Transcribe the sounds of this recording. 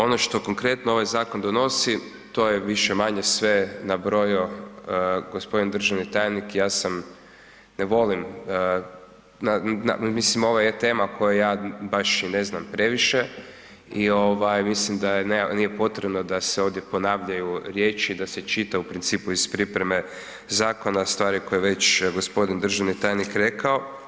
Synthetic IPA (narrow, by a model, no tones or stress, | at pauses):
o̞noʃt̪o̞koŋkɾe̞t̪noo̞ʋajzaːkond̪ono̞si | t̪oːjeʋiʃemaɲesʋe̞nabɾo̞juəɡospod̪ind̪r̩ʒaʋnit̪ajenikjaːsam | neʋo̞limə | nanamislimo̞ʋajet̪e̞ːmakʰo̞jajaːbaʃine̞znampɾe̞ʋiʃe | io̞ʋajmislimd̪ajenenije̞po̞t̪ɾebno̞d̪aseo̞ʋd̪jepo̞naːʋʎajuɾje̞ːt͡ʃiːd̪aset͡ʃit̪aupɾint̪siːpuizpɾipɾeme̞ | zaːko̞nast̪ʋaːɾikojeʋe̞t͡ʃɡospo̞d̪ind̪r̩ʒaʋnit̪aːjnikɾe̞kao